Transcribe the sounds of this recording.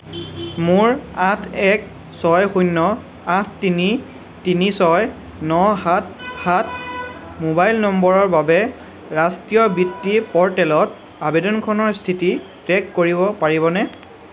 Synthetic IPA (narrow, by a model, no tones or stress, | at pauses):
mʊɹatʰɛk̚ | sɔjxujnːɔ | atʰtini | tinisɔj | nɔhat̚hat̚ʰ | mobajlnɔmbɔɹɔɹbabɛ | ɹastijɔbitːipɔɹtɛlɔt | abedɔnkʰɔnɔɹstʰiti | tɹɛkːoɹibɔpaɹiβɔnɛ